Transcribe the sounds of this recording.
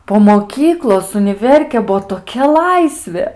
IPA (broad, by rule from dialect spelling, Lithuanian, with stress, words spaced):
poː moːˈkʲiːklˠoːs ʊnʲɪˈʋʲɛrʲkʲeː ˈbuɔ toːˈkʲɛ ˈlˠɐɪsʲʋʲeː